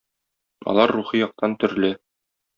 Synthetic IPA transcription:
ɒ̰lˠɑɾːuχijɒq̚t̪ɑnt̪ɵ̆ɾlɘ

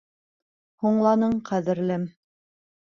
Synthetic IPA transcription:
huɴlˠɑnɤɴqʰæðɘ̆ɾlɘm

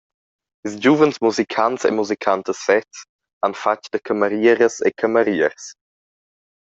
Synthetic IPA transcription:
isd͡ʒuvənsmuzikʰansḛmuzikʰant̪əsfɛts | anfat͡ʃd̥̪əkʰəməɾiəɾəsḛkʰəməɾiəɾs

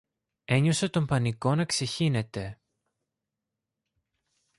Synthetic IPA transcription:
e̞ɲo̞set̪o̞mpɐniko̞nɐkse̞çine̞t̪e̞

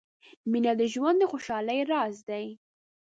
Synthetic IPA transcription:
minad̪əʒwand̪əxoʃɑləjɾɑzd̪aj

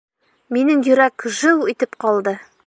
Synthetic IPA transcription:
minɘŋjɵ̆ɾækʒɤwit̪ɘpqɒlˠd̪ɤ

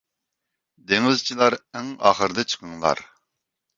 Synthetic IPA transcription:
d̪eŋɪzt͡ʃʰilˠɑɾæŋɑ̰ːχəɾɨd̪ɛt͡ʃʰə̥qʰəŋlˠɑ̰ɾ

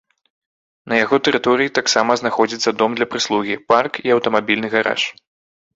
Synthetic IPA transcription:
nɐjaɣɔt̪ɛɾɨt̪ɔɾɨjit̪aksamɐznaxɔd͡zʲit̪sːɐd̪ɔmd̪lʲɐpɾɨslˠuɣʲiparkiɐwt̪ɐmabʲilʲnɨɣaɾa̰ʂ

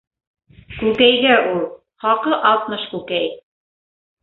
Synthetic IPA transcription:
kʉkæjɡæʔulˠ | χɑqɤʔɑlˠt̪mɤʃkʉkæj

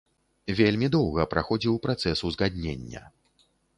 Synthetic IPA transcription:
vʲelʲmʲid̪ɔwɣɐpɾaxɔd͡zʲiwpɾat̪sɛsuzɣad̪ʲnʲḛnʲːɐ̰

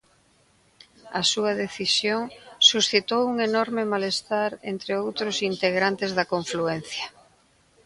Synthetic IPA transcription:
ɐ̰suɐðeθisjoŋsusθit̪owuŋenɔɾmɪmalest̪aɾent̪ɾeowt̪ɾʊsint̪eɣ̞ɾant̪ɪzðɐkoɱfluen̟θjɐ

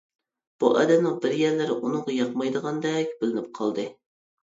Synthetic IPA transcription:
b̥uʔɛd̪ɛnɪbɪɾjɛɾlɪɾɪʔunʊŋʁɑjɑqmɑjd̪əʁɑnd̪ɛkʲbɪlɪnɪp̚qʰɑlˠd̪ɨ

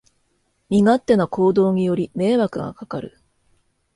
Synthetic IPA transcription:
mʲiŋat̪ːe̞noko̞ːd̪o̞ːɲ̟ijo̞ɾʲime̞ːβakɯ̟ɡa̰kakaɾɯ̟̰

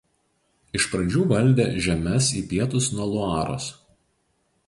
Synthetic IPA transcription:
ɪʃpɾɐd͡ʒʲuːʋɐlʲˑd̪ʲḛːʒʲɛmʲɛsiːpʲiɛt̪ʊsnuɔlˠʊɑːɾo̰ːs

